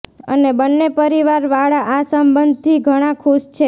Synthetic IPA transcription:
ə̰nebənːepəɾiʋaɾʋaɭaʔasəmbənd̪̚ʱt̪ʰiɡʱəɽ̃ãkʰuʃt͡ʃʰe

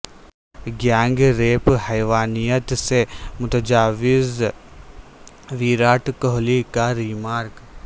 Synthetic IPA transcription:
ɡjãːŋɡɾeːphɛjʋaːnijət̪semʊt̪əd͡ʒaːʋɪz | ʋiːɾaːʈkɔɦlikaɾimaːɾk

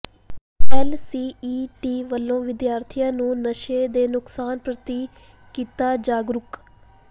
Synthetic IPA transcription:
ɛːlsiːiːʈiːʋəlːõːʋɪd̪jaːɾt̪ʰijãːnũːnəʃeːd̪eːnʊksaːnpɾət̪iː | kiːt̪aːd͡ʒaːɡɾʊk

